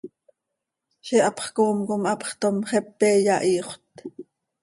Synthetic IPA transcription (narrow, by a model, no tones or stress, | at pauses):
ʃɛʔɑpχkoːmkomɑpχt̪omχɛpːɛːjɑʔiːχʷt̪